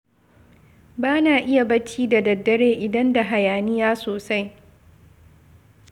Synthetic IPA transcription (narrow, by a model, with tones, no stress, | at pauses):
baː˦naː˨ʔɪ˦ja˨bɐ˦t͡ʃʰiː˦da˨dɐ˨dːɐ˦ɽeː˦ʔɪ˨dɐ˦nda˨ɦa˨jaː˨nɪ˦jaː˦soː˨sa˦j